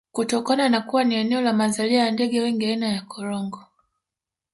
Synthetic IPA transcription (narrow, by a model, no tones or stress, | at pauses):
kutɔkananakuwaniɛnɛɔlamazaliajandɛɠɛwɛŋɡiainajakʰɔɾɔŋɡɔ